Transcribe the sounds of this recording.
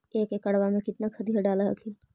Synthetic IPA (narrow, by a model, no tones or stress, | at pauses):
eːkekəɽʋamẽkɪt̪nakʰəd̪iːaɖaːlaə̰kʰil